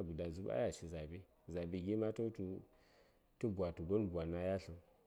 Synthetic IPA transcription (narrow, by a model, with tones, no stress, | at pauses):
ɡu˨da˨zu˦ba̰˦ja˨ʃi˨za˨be˦ | za˨bi˨ɡʲi˦ma˦to˦tu˨ | tu˦bʷa˨tu˨ɡo˦nbʷa˨na˨ja˦ɬə˨n